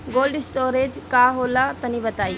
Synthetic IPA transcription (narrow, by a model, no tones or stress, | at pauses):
ɡoːlɖɪsʈoːɾed͡ʒkaɦoːlat̪ɐnibɐt̪aːi